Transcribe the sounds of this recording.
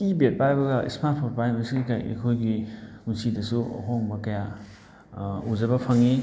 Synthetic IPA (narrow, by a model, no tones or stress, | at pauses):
kibet̚pajbɐɡɐʔḭsmat̚pʰoɾpajnojsiɡikajʔḛkʰojɡiunsidɐsṵɦoŋbɐkɐja | uzɐbɐpʰɐŋi